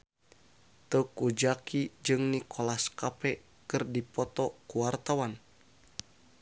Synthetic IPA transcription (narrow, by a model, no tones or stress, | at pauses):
t̪əkud͡ʒakʰid͡ʒɨŋnikʰolaskapɛ | kɨrdipɔt̪ɔkuwart̪awan